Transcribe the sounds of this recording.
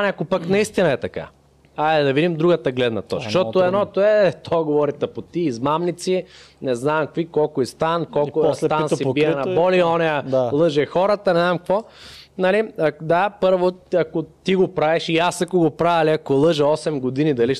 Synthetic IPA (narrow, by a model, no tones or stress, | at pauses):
nɛɐkopaknɐist̪inɐɛt̪ɐka̰ | ajd̪ɛd̪ɐvid̪imd̪ɾuɡət̪ɐɡlɛd̪nɐt̪ɔt͡ʃʃt̪ɔt̪oɛnɔt̪oɛt̪ɔɡovɔɾit̪ɐpot̪iːzmamnit̪sinɛznamkvikɔlˠkʊist̪ankɔlˠkost̪ansibiɛnɐbɔliɔnɛjɐlˠɤʒɛxɔɾət̪ənɛznamkvɔ | nɐliɐd̪apɤɾvoɐkot̪iɡopɾavɛʃiasɐkoɡopɾavɛliɐkolˠɤʒɛɔsɛmɡod̪inid̪ɐliʃ